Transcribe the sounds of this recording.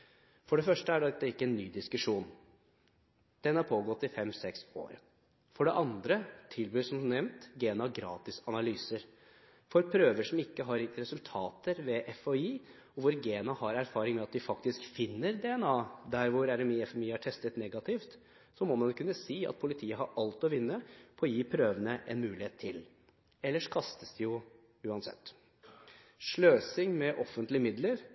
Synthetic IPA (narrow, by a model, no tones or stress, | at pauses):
fɔɖɛfœʂʈəæɖɑɛɪkːəɛnːyːd̪ɪskʉʂuːn | d̪̥ɛnːəhɑɾpʰoːɡɔt̪ːɪfɛmsɛkso̰ːɾ | fɔɖɛʔɑnd̪ɾət̪ʰɪlbyːsɔmnɛmnt̪ɡeːnɑɡɾɑ̰ːt̪ɪsɑnɑlyːsəɾ | fɔɾpʰɾøːʋəʂɔmɪkːəɦɑɾɾɛsʉlt̪ʰɑːt̪əɾʋɛʔɛfɔiː | ɔʋʊɾɡeːnɑhɑɾæɾfɑːɾɪŋmɛɑt̪̚d̪ɪfɑkt̪ɪskfɪnːəɾd̪ɛɛnɑːd̪æɾʋʊɾæɾɛmiːɛfɛmiːɑʈʰɛst̪ət̪nɛɡɑt̪ʰɪft̪ | sɔmɔmɑnkʰʉnːəsiːɑ̰t̪̚pʰʊlɪt̪ʰiːəɦɑɾɑlt̪ɔʋɪnːəpʰɔɔjiːpʰɾøːʋənəʔɛ̰nmʉːlɪeːt̪ʰːɪl | ɛlːəʂkʰɑst̪əsd̪ɪjʊ | ʉːɑnsɛ̰t̪ː | ʂɭøːsɪŋmɛʔɔfːənt̪lɪəmɪd̪ləɾ